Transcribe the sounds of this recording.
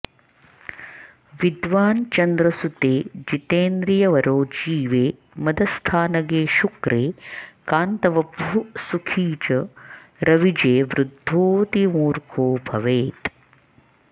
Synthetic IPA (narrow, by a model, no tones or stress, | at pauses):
ʋid̪ʋaːnt͡ʃɐnd̪ɾɐsut̪eːd͡ʒit̪eːnd̪ɾijɐʋɐɾoːd͡ʒiːʋeː | mɐd̪ɐst̪ʰaːnɐɡeːʃukɾeːkaːnt̪ɐʋɐbusukʰiːt͡ʃɐ | ɾɐʋid͡ʒeːʋɾud̪ʱoːt̪imuːɾkʰoːbʱɐʋeːt̪